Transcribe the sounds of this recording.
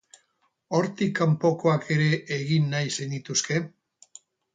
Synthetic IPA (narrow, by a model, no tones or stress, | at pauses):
o̞ɾt̪ikːampo̞ko̞akʰe̞ɾe̞ʔːɣinːajsenit̪uske̞